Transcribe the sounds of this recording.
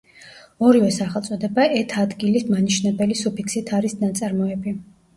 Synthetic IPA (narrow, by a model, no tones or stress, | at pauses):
ɔɾivɛsaχɛlˠt̪sʼɔd̪ɛbaʔɛt̪ʰad̪ɡilismaniʃnɛbɛlisupʰiksit̪ʰaɾisnat̪sʼaɾmɔɛbi